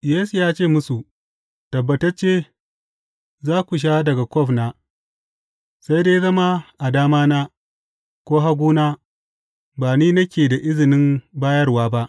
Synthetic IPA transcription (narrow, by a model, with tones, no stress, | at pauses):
jeː˦su˨jaː˦t͡ʃeː˦˨mʊ˦su˨ | tɐ˨bːɐ˨tɐ˦rt͡ʃeː˦ | zaː˦kʷu˨ʃ̬aː˦dɐ˨ɡa˨kʷɔ˦˨ɸnaː˦ | sa˦jdeː˦jzɐ˦ma˦ʔa˨daː˦maː˦naː˦ | kʷoː˦ɦa˦ɡʷuː˦naː˦ | baː˨niː˦nɐ˦kʲeː˨da˨ʔɪ˦zɪ˨nɪ˦mbaː˦jɐ˦rwaː˦ba˦ʔ